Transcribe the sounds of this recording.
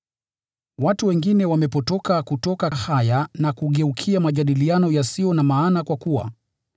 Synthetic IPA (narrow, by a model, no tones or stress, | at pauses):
watuwɛŋɡinɛwamɛpɔtɔkakutɔkahajanakuɠɛukʰiamaʄaɗilianɔjasiɔnamaːnakwakuwa̰